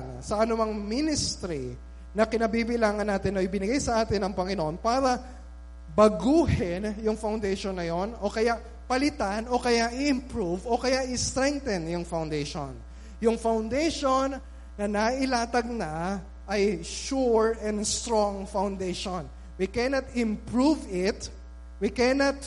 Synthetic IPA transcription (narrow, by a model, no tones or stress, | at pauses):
ŋsɐʔɐnʊmɐŋminɪst̪ɾi | nɐkɪnɐbibɪlaːŋɐnːaːt̪ɪnːoʔɪbɪnɪɡajsɐʔaːt̪ɪnɐŋpɐŋɪnoʔonpaːɾɐ | bɐɡuːhɪnjʊŋfawnd̪ɛjʃonːɐjo̞no̞kɐjaʔ | pɐlɪt̪ano̞kɐjaʔɪʔɪmpɹuvo̞kɐjaʔɪst̪ɾɛŋk̚t̪ɛnjʊŋfawnd̪ɛjʃo̰n | jʊŋfawnd̪ejʃonː | ɐnɐʔɪlaːt̪ɐɡ̚nɐ | ʔɐjʃuɹɛ̃nd̪st̪ɾoŋfawnd̪ejʃon | wikɛnɐt̪ɪmpɹuvɪt̪ | wikɛnɐt̪̚